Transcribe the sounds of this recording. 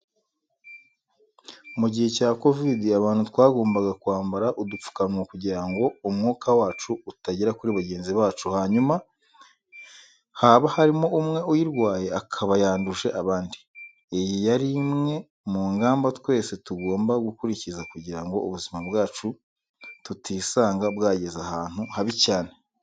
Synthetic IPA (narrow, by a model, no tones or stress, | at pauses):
muɟihe̞caːko̞vidiaβaːn̥hutwaːɡo̞ːmbaɡakuaːmbaɾaʔudup͡fu̥kanwakuɟiɾaŋɡo̞umŋoːkʰawaːt͡ʃuːtaɟiɾakuɾiβaɟe̞ːnziβaːt͡ʃuhaɲuma | haːβahaɾimo̞umŋe̞ujiɾɡwaːje̞akʰaβajaːnduʒe̞ʔaβaːndi | ejijaɾimŋe̞ | muŋɡaːmbatwe̞ːse̞tuɡoːmbaɡukuɾicizakuɟiɾaŋɡo̞̰uβuzimabɡaːt͡ʃu | tutiːsaːŋɡabɡaːɟe̞zahaːn̥huhaβicaːne̞